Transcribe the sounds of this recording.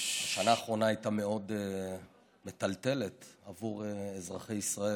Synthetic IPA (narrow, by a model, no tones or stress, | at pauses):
aʃanaːχʁo̞naajtame̞o̞d̪e | me̞t̪alt̪e̞le̞t̪avuʁeezʁaχejisʁae